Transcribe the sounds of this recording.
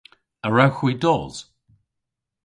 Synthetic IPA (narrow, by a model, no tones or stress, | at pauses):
əɹawxwiːdɔːz̥